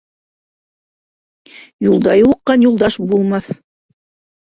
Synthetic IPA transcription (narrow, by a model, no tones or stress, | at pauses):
julˠd̪ɑjulˠɤ̆qːɑnjulˠd̪ɑʃbulˠmɑθ